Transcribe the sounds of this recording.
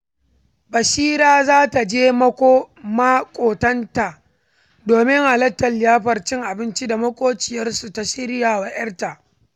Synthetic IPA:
bɐ˨ʃiː˦ɾaː˦zaː˦ta˨d͡ʒeː˦mɐ˦kʷoː˦ | ma˦kʷʼoː˨tɐ˦nta˨ʔ | doː˨mɪ˦ŋʔa˨lɐ˦tːɐ˨lːɪ˨jaː˦ɸɐ˨rt͡ʃɪ˦ŋʔa˨bɪ˦nt͡ʃi˦da˨mɐ˦kʷʼoː˦t͡ʃɪ˨jɐ˦rsu˨ta˨ʃɪ˦ɾjaː˨wɐ˨ʔɐ˦rta˨ʔ

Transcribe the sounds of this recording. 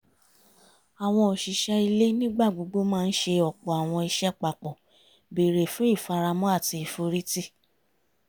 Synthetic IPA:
a˨w̃ɔ̃˧o˨ʃi˨ʃɛ˧i˧le˦nĩ˦ɡ͡ba˦˨ɡ͡bo˨˧ɡ͡bo˦mãː˦˧n̩˦ʃe˧ɔ˨k͡pɔ˨a˨w̃ɔ̃˧i˧ʃɛ˦k͡pa˨k͡pɔ˨ | be˨ɾe˨fũ˨˦i˦˨fa˧ɾa˧mɔ̃˦a˦˨ti˧i˨fo˧ɾi˦ti˦˨

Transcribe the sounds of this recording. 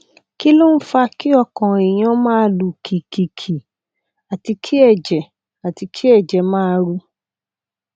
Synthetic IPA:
ki˦lo˦˨n̩˦fa˧ki˦ɔ˧˨kɔ̃˨e˨j̃ã˧˦mãː˦lu˨kʰi˨kʰi˨kʰi˨ | a˨ti˧kʰi˦ɛ˦˨d͡ʒɛ˨ | a˨ti˧kʰi˦ɛ˦˨d͡ʒɛ˨mãː˦˧ɾu˧

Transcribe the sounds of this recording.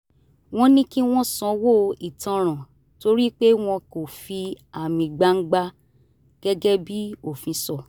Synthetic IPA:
w̃ɔ̃˦nĩ˦ki˦w̃ɔ̃˦sɔ̃˨˦wo˦˨i˨tɔ̃˧ɾ̃ã˨ | to˧˦ɾi˦k͡pe˦w̃ɔ̃˧ko˨fi˧ | a˨mĩ˨ɡ͡ba˧˦ŋ̩˦ɡ͡ba˦ | ɡ̥ɛ˦ɡɛ˦bi˦o˨fĩ˧˦sɔ˦˨

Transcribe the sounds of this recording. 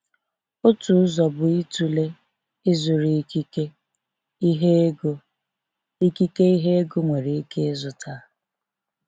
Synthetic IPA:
o˦tu˨˦zɔ˨bʊ˨i˦tu˨le˦ | ɪ˦zʊ˨ɾi˨˦i˦ke˦ | ɦe˦ɡ | i˦ki˦ke˦i˦ɦe˦e˦ɡʊ˦ŋʷe˨ɾe˨i˦ke˦zʊ˨tʰa˦

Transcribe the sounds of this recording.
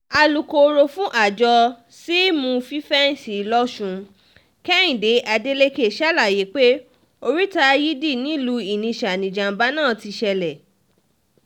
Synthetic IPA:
a˧lu˨ko˧ɾo˧fũ˦ʔa˦˨d͡ʒɔ˧ | si˦mũ˧fĩ˦fɛ˦n̩˦si˨˦lɔ˦ʃũ˨˧ | kɛ˦ĩ˨de˨˦ʔa˧de˦le˦ke˦˨ʃa˦la˦˨je˨˦k͡pe˦ | o˧ɾi˦ta˧ji˦di˦˨nĩ˨˦lu˧i˨nĩ˧ʃa˨nĩ˨d͡ʒã˨m̩˨ba˦nãː˦˨ti˧ʃɛ˧lɛ˨

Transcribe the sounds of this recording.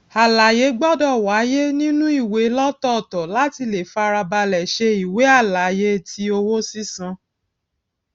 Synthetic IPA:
a˨la˨je˨˦ɡ͡bɔ˦dɔ˦˨wa˨˦je˦nĩ˦nũ˦i˦˨we˨˦lɔ˦tɔ˦˨tɔ˨la˦ti˧le˨fa˧˦˧ɾa˧ba˧lɛ˨ʃe˧i˨we˨˦a˦˨la˨je˧˦tʰi˦o˧wo˦si˦sã˧

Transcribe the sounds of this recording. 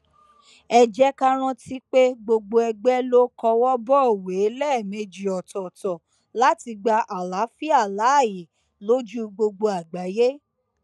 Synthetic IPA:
ɛ˧d͡ʒɛ˦ka˦ɾ̃ã˧ti˦k͡pe˦ɡ͡bo˧ɡ͡bo˧ɛ˧ɡ͡bɛ˦lo˦kɔ˧wɔ˦bɔ˦o˨we˨˦lɛ˦˨me˧d͡ʒi˨ɔ˨tɔ˨tɔ̃˨ | la˦ti˧ɡ͡ba˧ʔa˨la˨˦fi˦a˦˨la˨˦a˦˨ji˨ | lo˦d͡ʒu˦ɡ͡bo˧ɡ͡bo˧a˨ɡ͡ba˨˦je˦

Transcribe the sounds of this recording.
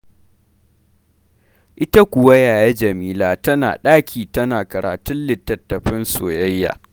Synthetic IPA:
ʔɪ˦ta˦kʷʊ˨wɐ˦jaː˨jaɛ˦d͡ʒɐ˨miː˦laː˦tɐ˦na̰ː˨ɗaː˦kʲʰiː˨tɐ˦naː˨kɐ˨ɾa̰ː˨tʊ˦nlɪ˨tːɐ˨tːɐ˨ɸɪ˦nso̰ː˨jɐ˦jːa̰ː˨

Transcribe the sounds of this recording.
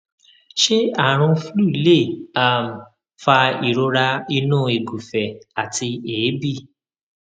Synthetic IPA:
ʃe˦a˨ɾ̃ũ˧flu˦˨i˦le˦˨a˦˨m̩˨ | fa˧i˨ɾo˧ɾa˧i˧nũː˦˨e˨ɡu˨fɛ˨a˨tʰi˧eː˨˦bi˦˨

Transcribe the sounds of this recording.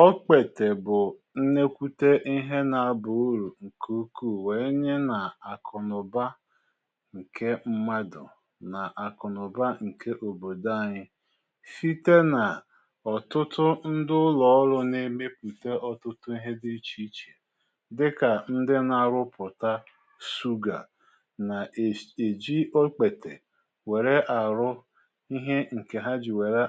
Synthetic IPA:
ɔ˦k͡pe˨te˨bʊ˨ | n̩˦ne˦kʷu˦te˦ʔi˦ɦe˦na˨˦˨bʊ˨˦ɾu˨ŋ̩˨kʰu˦ku˦˨we˨˦ɲe˦na˨a˨kʰɔ˨nʊ˨ba˦ | ŋ̩˨ke˦m̩˦ma˦dʊ̰˨ | na˨ʔa˨kɔ˨nʊ˨ba˦ŋ̩˨kʰe˦ʔo˨bo˨da˦˨ɲɪ˦ | fi˦te˦na˨ | ɔ˨tʊ˦tʊ˦n̩˦dʊ˦lɔ˨˦ɔ˦ɾʊ˦ne˦me˦pu˨te˦ɔ˨tʊ˦tʊ˦i˦ɦe˦dɪ˦t͡ʃi˦t͡ʃe˨ | dɪ˦ka˨n̩˦dɪ˦na˨ɾʊ˦pʊ˨ta˦ | su˦ɡa̰˨ | na˨e˨d͡ʒi˦o˦k͡pe˨te˨ | we˨ɾe˦ʔa˨ɾʊ˦ | i˦ɦe˦ŋ̩˨ke˨ɦa˦d͡ʒɪ˨we˨ɾe˦

